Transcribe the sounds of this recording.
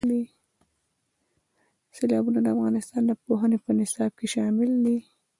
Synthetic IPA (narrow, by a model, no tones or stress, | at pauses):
d̪i | selɑbunad̪əafɣɑnɪst̪ɑnd̪əpoɦənepənɪsɑb̚keʃɑmɪld̪i